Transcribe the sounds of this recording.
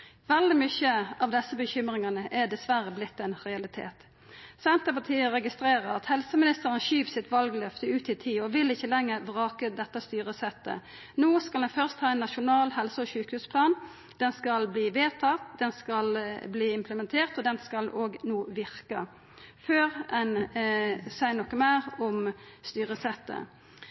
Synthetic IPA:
ʋɛld̪ɪmʏçəɑʋd̪ɛsːəbəçʏmʁɪŋɑnəʔɛd̪ɛsʋæɾəblɪt̪ːɛnʁɛɑlɪt̪ʰḛːt̪ | sɛnt̪əpɑt̪ʰiːəɾɛɡɪst̪ɾeːʁəɾɑt̪hɛlsəmɪnɪst̪əɾənəʃyːpsɪt̪ʋɑlɡlœft̪əʉːt̪ɪt̪ʰiːɔʋɪlɪçːəlɛŋːəʁbʁɑːkəd̪ɛt̪ːɑst̪yːʁəsɛt̪ːə̰ | noːskɑlɛnfœʁst̪hɑːɛnːɑʃʊnɑːlhɛlsəɔʃʉːkhʉːspʰlɑːn | d̪̥ɛnskɑlbliːʋeːt̪ʰɑt̪d̪ɛnskɑlbliːɪmpʰləmɛnt̪ʰeːʁt̪ɔd̪ɛnskɑlʔoːɡnoːʋɪʁkə | føːʁɛn | sæɪənɔkːəmæːʁɔmst̪yːʁəsɛt̪ːə̰

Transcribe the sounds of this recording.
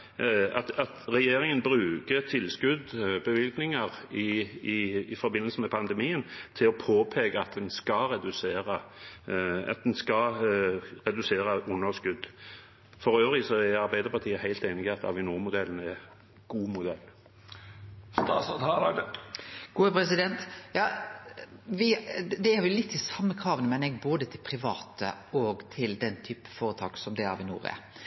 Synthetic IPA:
ɑt̪ɑt̪ʁɛjeːɾɪŋənbɾʉːkət̪ʰɪlːskʉd̪bəʋɪlknɪŋɑʁɪː | fɔɾbɪnːəlsəmɛpʰɑnd̪ɛmiːənt̪ʰɪlɔpʰoːpʰeːɡəɑt̪̚d̪ɛnskɑɾɛd̪ʉseːɾə | ɑ̰t̪̚d̪ɛnskɑ | ʁɛd̪ʉseːɾəʔʊnːəskʉd̪ | fɔɾøːʋʁɪsɔæɑɾbæɪd̪əʁpʰɑʁt̪ʰiːəhæɪlt̪eɪnɪɡɛt̪ːɑ̰ʋɪnuːʁmʊd̪ɛlːənɛ | ɡ̥uːmʊd̪ɛlː | st̪ɑːsɔt̪hɑlɑd̪ | ɡ̥uːəpʰɾɛsɪd̪ɛnt̪jɑː | ʋɪd̪ɛæɑɾʋɪjʊlɪt̪ʰːɪsɑmːəkʰɾɑːʋənəmɛnɛɡ̚boːd̪ət̪ʰɪlpʰɾɪʋɑːt̪ə̰ɔɡt̪ʰɪld̪ɛnːt̪ʰyːpə̥foːɾət̪ʰɑːksɔmd̪ɛæ̰ʋɪnṵːɾɛ̰

